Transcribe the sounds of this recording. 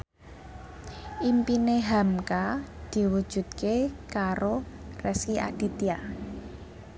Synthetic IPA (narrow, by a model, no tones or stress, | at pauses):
ʔimpineɦamkad̪̥i̤wud̥ʒ̥ṳt̪̚kekaɾorɛskiʔa̰d̪̥i̤t̪ia